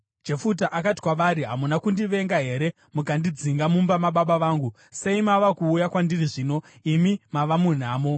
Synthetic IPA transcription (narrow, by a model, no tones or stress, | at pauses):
d͡ʒe̞fut̬aʔakati̥kwaʋaɾiɦamunakundiʋe̞ŋɡaɦe̞ɾe̞ | mukandid͡ziŋɡamumbamaɓaɓaʋaːŋɡu | se̞imaʋakuːjakwandiriʐiːno̞imimaʋamun̤aːmo̞